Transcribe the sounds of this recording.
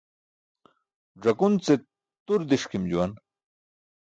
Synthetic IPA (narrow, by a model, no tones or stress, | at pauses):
ʐɐkunt͡se | t̪uɾd̪iʂkimd͡ʑuwan